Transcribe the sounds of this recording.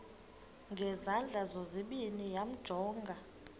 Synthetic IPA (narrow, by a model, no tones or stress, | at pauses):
ŋɡʱɛzand͡ɮʱazoziɓinijam̩d̥ʒ̥ʱɔːŋɡʱa